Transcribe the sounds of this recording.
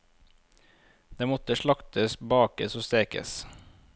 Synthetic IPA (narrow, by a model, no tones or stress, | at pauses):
d̪̥eːmɔt̪əʃɭɑkt̪əsbɑːkəsoːst̪eːkə̰s